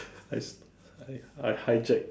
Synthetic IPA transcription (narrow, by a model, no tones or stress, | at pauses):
aɪs | aɪaɪhaɪd͡ʒɛk̚